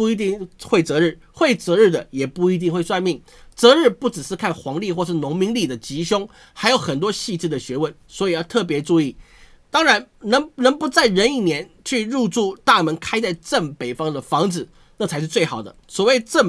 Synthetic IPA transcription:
u˥˩i˧˥t̪i˥˧ŋxwe˥˩ɪt͡sɤ˧˥ɻ̩˥˩ | xwe˥˩ɪt͡sɤ˧˥ɻ̩˥˩d̪ə˩jɛ˨˩pu˥˧i˧˥t̪̬i˥˧ŋxwe˥˧ɪswa˥˧nmi˥˩ŋ | t͡sɤ˧˥ɻɻ̩˥˧pu˥˩ʈ͡ʂɻ̩˨˩ʂɻ̩˥˧kʰa˥˩nxwɑ˧˥ŋli˥˧xwɔ˥˧ʂɻ̩˥˩nʊ˧˥ŋmi˧˥ŋli˥˩d̪ə˩t͡ɕi˧˥ɕjʊ˥ŋ | xa˧˥ɪjo˧˥ʊxə˨˩nt̪wɔ˥ɕi˥˧ʈ͡ʂ̩˥˩d̪ə˩ɕɥɛ˧˥wə˧˩nswɔ˧˥i˨˦jɑ˥˧ʊt̪ʰɤ˥˩p̬jɛ˧˥ʈ͡ʂu˥˧i˥˩ | t̪ɑ˥ŋɻa˧˥nnɤ˧˥ŋnɤ˧˥ŋpu˧˥t͡sa˥˩ɪɻə˧˥ni˥˩njɛ˧˥n | t͡ɕʰy˥˧ɻu˥˧ʈ͡ʂu˥˧t̪a˥˩mə˧˥nkʰa˥ɪt͡sa˥˧ɪʈ͡ʂə˥˩ŋpe˨˩ɪfɑ˥ŋd̪ə˨fɑ˧˥ŋd͡zɹ̩˨˩ | nɤ˥˩t͡sʰa˧˥ɪʂɻ̩˥˧t͡swe˥˩ɪxɑ˨˩ʊd̪ə˦swɔ˨˩we˥˧ɪʈ͡ʂə˥˩

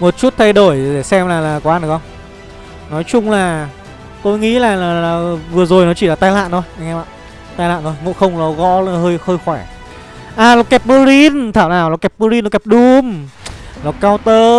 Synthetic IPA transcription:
mo˨˩t̚t͡ɕu˦˥t̚t̪ʰə˧jɗo˧˩jɗe˧˩sɛ˧mlaː˨˩laː˨˩kɔ˨˦ʔa˧nɗɨ˨˩˦xə˧wŋ͡m | nɔ˨˦jt͡ɕʊ˧ŋ͡mlaː˨˩ | t̪o˧jŋḭ˧˥laː˨˩laː˨˩lːvɨ˨˩əzo˨˩jnɔ˨˦t͡ɕi˧˩laː˨˩t̪aː˧jla̰ː˧˨nt̪ʰo˧jŋɛ˧ɓa̰ː˧˨n | t̪aː˧jla̰ː˧˨nt̪ʰo˧jmo̰˧˨˥xə˧wŋ͡mlɔ˨˦ɣɔ̰˧˥la˨˩həː˧jxəː˧jxwɛ˧˩ | ʔaː˨˩lɔ˨˩kɛ˨˧˩p̚mə˧ɾi˧nt̪ʰaː˧˩wnaː˨˩wlɔ˨˩kɛ˧˩p̚ə˧ɾi˧nlkɛ˧˩ɗʊ˧mlɔ˨˩kːaː˧wt̪əː˧

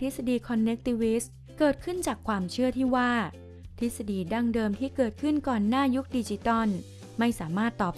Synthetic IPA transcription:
t̪ʰi˦˥sa˧diː˧kʰɔ˧nːe˦˥k̚t̪i˧wi˦˥s | kɤː˨˩t̪̚kʰɯ˥˩nt͡ɕaː˨˩kʰwaː˧mt͡ɕʰɯ˥˩ɐt̪ʰiː˥˩waː˥˩ | t̪ʰi˦˥t̪̚sa˧diː˧da˥˩ŋdɤː˧mt̪ʰiː˥˩kɤː˨˩t̪̚kʰɯ˥˩nkɔː˨˩nːaː˥˩ju˦˥k̚diː˧t͡ɕi˧˥t̪ɔ˥˩n | ma˥˩jsaː˩˦maː˥˩t̪ːɔː˨˩p̚

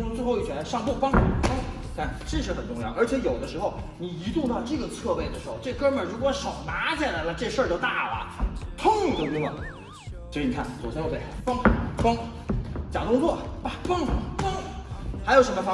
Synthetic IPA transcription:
ʈ͡ʂʊ˥ŋʈ͡ʂɻ̩˥xo˥˧ʊi˥˩t͡ɕʰɥɛ˧˥ʂɑ˥˧ŋpu˥˩fɑ˥ŋfɑ˥ŋi˨˩kʰa˥˩nʈ͡ʂe˥˧ʂɻ̩˥˩xə˨˩nʈ͡ʂʊ˥˧ŋjɑ˥˩ʊə˞˧˥t͡ɕʰjɛ˧˥jo˨˩ʊd̪ə˦ʂɻ̩˧˥xo˥˧ʊni˨˩i˧˥t̪u˥˧t̪ɑ˥˧ʊʈ͡ʂɤ˥˩ɡə˩t͡sʰɤ˥˧pe˥˩ɪd̪ə˩ʂɻ̩˧˥xo˧ʊʈ͡ʂɤ˥˩kə˥mə˨˩ɻu˧˥kwɔ˧˥ʂo˨˩ʊna˧˥t͡ɕʰjɛ˨˩la˧˥lə˧ʈ͡ʂɤ˥˧ɡʂə˞˥˧t͡ɕjo˥˧ʊt̪a˥˩wɐ̰˩t̪ʰʊ˥˧ŋi˨˩t̪o˥˩t̪ʊ˥ə̰˨˩˧ | ni˨˩kʰa˥˩nt͡so˨˩ʊt͡ɕjɛ˥njo˥˩e˥˩fɑ˥ŋfɑ˥ŋ | t͡ɕjɑ˨˩ŋt̪ʊ˥ŋt͡swɔ˥˩pa˥˩fɑ˥ŋfɑ˥ŋxa˧˥jo˨˩ʊʂə˧˥mə˧ɑ˥

